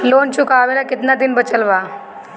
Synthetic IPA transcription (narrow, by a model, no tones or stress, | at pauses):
loːnt͡ʃʊkaːʋeɾakɪt̪nad̪ɪnbət͡ʃəlʋaː